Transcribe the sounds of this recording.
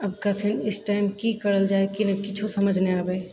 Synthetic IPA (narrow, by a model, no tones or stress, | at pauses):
ɐb̚kakʰɪnɪsʈaːɪmkikɐɽəld͡ʒaːekinɐkɪt͡ʃʰosɐməd͡ʒʱneaːbe